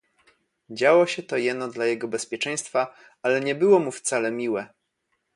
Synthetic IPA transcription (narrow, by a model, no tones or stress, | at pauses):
d͡ʑawɔɕɛt̪ɔjɛd̪nɔd̪lajɛɡɔbɛspʲjɛt͡ʂɛ̃j̃st̪fa | alɛɲɛbɘwɔmuft̪salɛmʲiwɛ